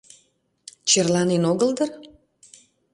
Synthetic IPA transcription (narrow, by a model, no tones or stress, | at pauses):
t͡ɕerlɑnenoɣəld̪ər